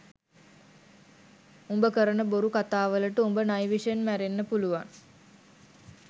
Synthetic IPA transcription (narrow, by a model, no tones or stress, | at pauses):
umbəkəɾənəboɾukat̪aːʋələʈəumbənajʋiʂənmæɾenːəpuluʋaŋ